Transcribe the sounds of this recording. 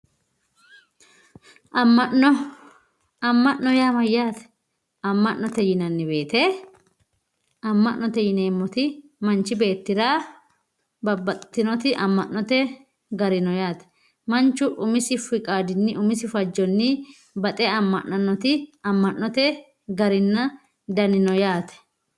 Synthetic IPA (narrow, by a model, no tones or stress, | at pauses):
ʔɐmːɐʔnɔ | ɐmːɐʔnɔjaːmɐjːaːt̪ | ɐmːɐʔnɔt̪ɛjɪnɐnːɪbe̞ːt̪ɛ | ɐmːɐʔnːɔt̪ɛjɪneːmːɔt̪ɪmɐnt͡ʃːɪbe̞ːt̪ːɪɾaː | bɐbːɐt̪ːɪnɔt̪ɪʔɐ̰mːɐʔnɔt̪ɛ | ɡɐɾɪnɔjaːt̪ɛ̥ | mɐnt͡ʃːʊʔʊmɪsɪfɪkʼaːd̪ɪnːɪʔʊmɪsɪfɐd͡ʒːɔnːɪ | bɐt̪ʼɛɐmːɐʔnɐnːɔt̪ɪɐmːɐʔːɔt̪ɛ | ɡɐɾɪnːɐ | d̪ɐnɪnɔjaːt̪ɛ̥